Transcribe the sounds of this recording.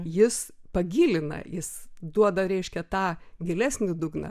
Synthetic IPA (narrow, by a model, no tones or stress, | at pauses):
jɪspɐɡʲiːlʲɪnɐ̰jɪsd̪uɔd̪ɐɾʲɛɪʃʲkʲɛt̪ɑːɡʲɪlʲæsʲnʲɪd̪ʊɡnɐ̰